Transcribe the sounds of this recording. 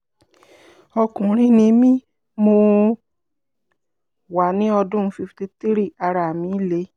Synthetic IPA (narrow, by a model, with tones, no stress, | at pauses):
ɔ˧kũ˨ɾ̃ĩ˦nĩ˧mĩ˦ | mo˧ | wa˨nĩ˨˦ɔ˧dũ˦fi˧fi˧te˧ti˦ɾi˦˨a˧ɾa˧˨mĩ˧˦le˧˦